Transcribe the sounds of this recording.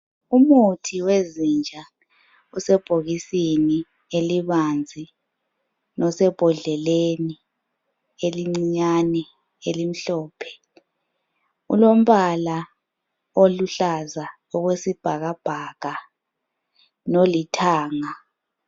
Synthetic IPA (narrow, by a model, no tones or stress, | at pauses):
umutʰiwezind͡ʒʱa | usɛb̥ʱoɣisini | eliβand͡zʱi | nɔsɛb̥ʱɔɮɛleni | eliŋ͡ǀiɲanɛ | elim̩ɬɔːpʰɛ̥ | ṵlom̩βala | oluɬaza | ɔɣwesib̥ʱaɣab̥ʱaɣ̥a | nolitʰaːŋa